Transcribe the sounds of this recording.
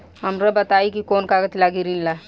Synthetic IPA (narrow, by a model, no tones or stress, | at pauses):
ɦɐmɾəbɐt̪aːikikoːnkaɡət̪laːɡiɾinla